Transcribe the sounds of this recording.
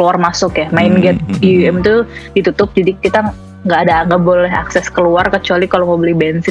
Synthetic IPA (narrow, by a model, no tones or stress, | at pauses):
luarmasʊkjamaɪnɡɛt̪̚iuɛmt̪udit̪ut̪ʊp̚d͡ʒadikit̪a | ŋɡaːdaŋɡaʔbolɛɦa̰ksɛskəluarkət͡ʃualikalomobəlɪhbɛnsɪ